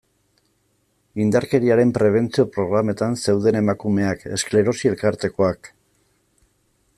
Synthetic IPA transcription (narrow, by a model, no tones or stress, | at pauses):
ind̪aɾke̞ɾiaɾe̞mpɾe̞β̞e̞nt͡sio̞pɾo̞ɣ̞ɾame̞t̪anse̞wðe̞ne̞makume̞ake̞̰skle̞ɾo̞sie̞lkaɾt̪e̞ko̞ak